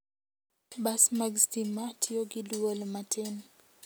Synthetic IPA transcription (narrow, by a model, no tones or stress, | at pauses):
basmaɡstimatʰioɡɪduolmatʰen